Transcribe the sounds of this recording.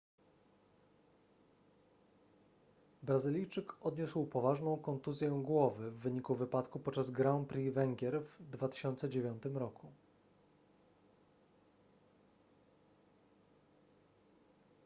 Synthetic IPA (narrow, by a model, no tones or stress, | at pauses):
bɾazɘlʲijt͡ʂɘkɔd̪ɲuswpɔvaʐnɔ̃w̃kɔnt̪uzʲjɛɡwɔvɘvːɘɲikuvɘpat̪kupɔt̪̚t͡ʂazɡɾaw̃pɾʲivɛŋɡʲjɛɾvd̪vat̪ɘ̥ɕɔnt̪sɛd͡ʑevʲjɔnt̪ɘmɾɔkʰu